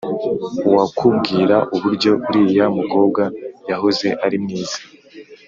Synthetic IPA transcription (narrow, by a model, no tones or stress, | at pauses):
uwakʰub̚ɡiːɾaʔuβuɾɟo̞βuɾiːjamuko̞ːb̚ɡajaɦoze̞ʔaɾimniːz̥ḁ